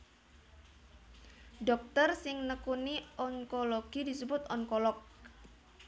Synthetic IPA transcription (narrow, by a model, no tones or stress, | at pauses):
ɖɔk̚t̪ərsɪŋnəkuniʔɔŋkoloɡ̥idisəbʊt̪ɔŋkɔlɔk̚